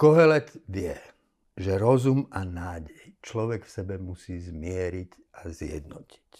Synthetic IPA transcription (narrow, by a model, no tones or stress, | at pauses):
kɔɦɛlɛt̪ʋɪɛ | ʒɛɾɔzumanaːɟɛjt͡ʃlɔʋɛkfsɛbɛmusiːzmɪɛɾic | azɪjɛ̰d̪nɔci̥c